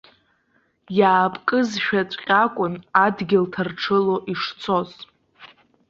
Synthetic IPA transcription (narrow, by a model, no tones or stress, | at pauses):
jaːpʼkʼɨzʃᶣat͡sʷʼqʲʼakʷʼʊnadɡʲɪltʰarʈ͡ʂʰɨlo̞ʔiʂt͡sʰo̞z